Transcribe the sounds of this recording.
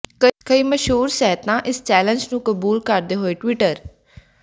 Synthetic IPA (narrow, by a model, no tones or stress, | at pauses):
əkəiːməʃɦuːɾsɛɦət̪ãːʔɪst͡ʃɛːlə̃nd͡ʒnũːkəbuːlkəɾd̪eːɦoːeːʈwiːʈəɾ